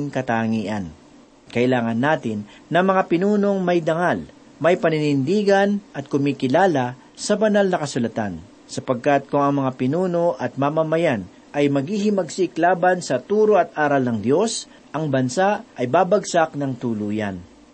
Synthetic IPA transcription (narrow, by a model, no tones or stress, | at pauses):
ŋkɐt̪aŋiːʔɐn | kɐʔɪlaːŋɐnːaːt̪ɪnː | ɐmɐŋapɪnuːno̞ŋmɐjd̪ɐŋal | mɐjpɐnɪnɪnd̪iːɡɐnʔɐt̪̚kʊmiːkɪlaːlɐ | sɐbɐnalnɐkɐsʊlɐt̪a̰n | sɐpɐɡ̚kat̪̚kʊŋɐŋmɐŋapɪnuːno̞ʔɐt̪̚mamɐmɐjan | ʔɐjmɐɡiːɦɪmɐɡsiklaːbɐnsɐt̪uːɾoʔɐt̪̚ʔaːɾɐlnɐŋd̪jo̞s | ʔɐŋbɐnsaʔʔɐjbaːbɐɡsaknɐŋt̪uluːja̰n